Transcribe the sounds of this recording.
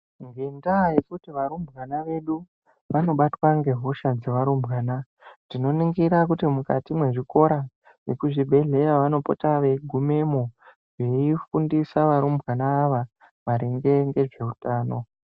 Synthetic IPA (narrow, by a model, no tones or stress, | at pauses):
ŋɡe̞ndaje̞kutiʋaɾumbɣanaʋe̞ɗu | ʋano̞ɓatwaŋɡe̞ɦo̞ʃad͡zeʋaɾumbɣaːna | tino̞niŋɡiɾak̬utimukatimwe̞ʐiko̞ɾa | jekuʐibʱe̞ɮe̞jaʋano̞potaʋe̞ɡʱume̞mo | ʐeifundisaʋaɾumbʱɣanaːʋa | ʋaɾiŋɡe̞ŋɡe̞ʐe̞utaːno̞